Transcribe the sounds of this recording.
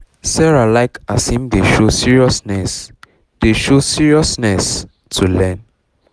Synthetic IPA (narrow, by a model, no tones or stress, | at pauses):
sɛɹalaɪkasĩmdeʃosiɹiɔsnɛs | d̥eʃosiɹiɔsnɛs | tʰulɛ̃n